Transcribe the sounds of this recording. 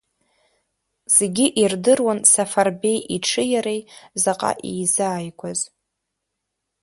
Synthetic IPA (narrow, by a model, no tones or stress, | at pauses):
z̥eɡʲɪʔirdɨrwansafarbe̞jʔiʈ͡ʂʰɨjaɾejzaqʼa̰ʔḛjzaːjkʷʰaz